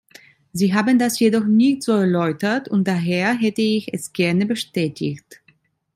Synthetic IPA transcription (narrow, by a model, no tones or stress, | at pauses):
ziːɦaːbəndasjedɔχnɪçtz̥oːɛɐlɔʏtɐtʊnt̚d̥aɦeːɐɦɛtəɪçɛ̰sɡ̥ɛɐnəbəʃtɛːtʰɪ̰çt